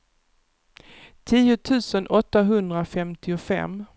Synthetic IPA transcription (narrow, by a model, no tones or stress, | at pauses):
t̪ʰiːʊt̪ʰʉ̟ːsənʔɔt̪ːaɦɵnd̪ɾafɛmt̪ʰɪʊfɛ̰m